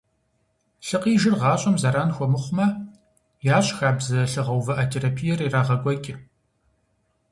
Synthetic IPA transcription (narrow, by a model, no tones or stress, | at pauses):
ɬɨqiːʒɪrʁɑːɕʼɐmzɐɾaːnxʷɔmɨχʷʊmɐ | jaːɕʼxaːbzɐɬɨʁɐwvɐʔɐtʰeːɾaːpʰijɛriraːʁɐɡʷʼɔkʲʼɪ